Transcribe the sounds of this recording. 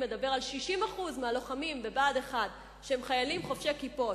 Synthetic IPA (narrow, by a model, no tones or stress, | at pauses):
medabe̞ʁalʃiʃimaχuzmealo̞χamimvebaːde̞χad | ʃehemχajalimχo̞fʃekipo̞